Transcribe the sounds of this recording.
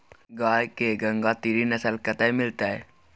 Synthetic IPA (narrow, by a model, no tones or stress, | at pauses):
ɡaːjkeɡɐ̃ŋɡat̪iɾinɐsəlkɐt̪aimɪlt̪aɦɛː